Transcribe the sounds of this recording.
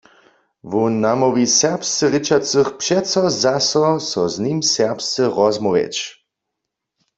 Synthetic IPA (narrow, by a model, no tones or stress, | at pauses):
ʋunamɔʋisɛʁpst͡səʁit͡ʃat͡sɨxpʃɛtsɔzasɔsɔznimsɛʁpst͡səʁɔzmɔʋɛ̰t͡ʃ